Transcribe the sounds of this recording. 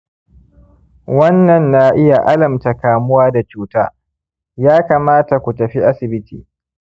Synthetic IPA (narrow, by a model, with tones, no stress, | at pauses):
wɐ˦nːɐ˨nːa˦ʔɪ˦ja˨ʔa˦lɐ˨mta˨kaː˨mʊ˦waː˦da˨t͡ʃuː˦taː˦ | jaː˦kaː˨maː˦ta˨kʷu˨tɐ˨ɸi˦ʔa˦sɪ˨bɪ˦tḭː˨